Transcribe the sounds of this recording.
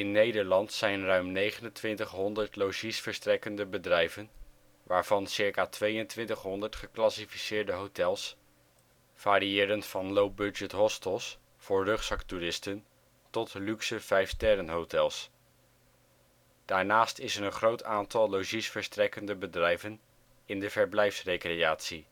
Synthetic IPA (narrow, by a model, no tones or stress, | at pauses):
ɪnːejdəɹlɑntsɛjnrœɥmnejχənəntʋɪntəχɦɔndəɹtlowʒisfəɹstrɛkəndəbədrɛjvən | ʋaːɹv̥ɑnsɪɹkaːtʋejəntʋɪntəχɦɔndəɹtχəklɑsifisɪːɹdəɦowtɛlˠs | v̥aːɾiɪːɾənfɑnlowbɵd͡ʒətɦɔstəlˠs | fʊːɹrɵχsɑkturɪstən | tɔtlyksəv̥ɛjftɛɾənɦowtɛlˠs | d̥aːɹnaːstɪsənənχrowtaːntɑlˠloʒisfəɹstrɛkəndəbədrɛjvən | ɪndəvəɹblɛjfsrejkrejaːtsi